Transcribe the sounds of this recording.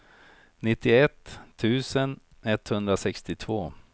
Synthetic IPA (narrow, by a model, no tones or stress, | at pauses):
nɪt̪ːɪɛt̪ʰːʉ̟ːsən | ɛt̪hɵnd̪ɾasɛkst̪ɪt̪ʰvoː